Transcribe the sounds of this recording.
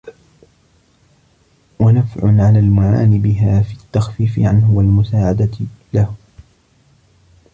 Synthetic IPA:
wanafʕʊ̰nʕalaːlmʊʕa̰ːnɪbɪɦaːfiːt̪ːaxfiːfɪ̰ʕanɦʊwalmʊsaːʕad̪alah

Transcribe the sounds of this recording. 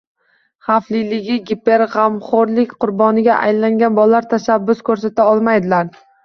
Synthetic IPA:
χaflɪlɪɡʲɪɡʲipe̞ɾʁamχoɾlɪkʲqʰʊɾbɒnɪɡʲaʔa̰jlaŋɡʲanbɒlaɾt̪ʰaʃabːʊskʰɵɾsat̪ʰaɒlˠmajd̪ɪlaɾ

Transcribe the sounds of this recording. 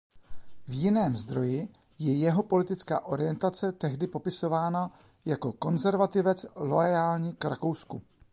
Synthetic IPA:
vjɪnɛːmzd̪ɾo̞jɪ | jɛjɛɦo̞po̞lɪt̪ɪt͡ska̰ːʔo̞ɾɪjɛnt̪at͡sɛt̪ɛɦdɪpo̞pɪso̞vaːna | jako̞ko̞nzɛɾvat̪ɪvɛt͡slo̞jaːlɲikɾako̞wsku

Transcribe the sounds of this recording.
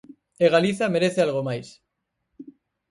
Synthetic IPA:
eɣaliθameɾeθealɣomajs

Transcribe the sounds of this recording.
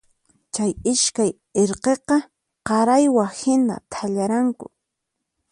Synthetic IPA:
t͡ʃajɪʃkaj | eɾqeqɑ | qɑɾajwahɪna̰t̪ʰaʎaɾaŋkʊ̰

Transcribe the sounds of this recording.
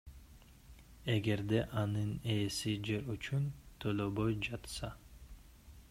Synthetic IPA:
e̞ɡe̞ɾd̪eʔɑnɯneːsid͡ʒe̞ɾyt͡ʃunt̪ʰøløbojd͡ʒɑt̪sɑ

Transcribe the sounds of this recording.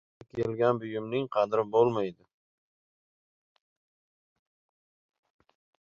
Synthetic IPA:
akʲʰelɡʲanbʊjɪmnɪŋqʰɑd̪ɾɪbolˠmajd̪ɪ

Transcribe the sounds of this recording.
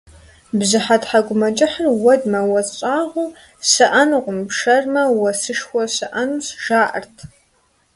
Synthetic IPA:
bzɨħatħaɡʷʊmɐt͡ʃʼɪħərwɐdmɐwɐzɕʷʼaːʁʷu | sɨʔɐnʁʷʊmpʂɐrmɐwɐsɨʂxʷɔsɨʔɐnusʒaːʔɐ̰rtʰ

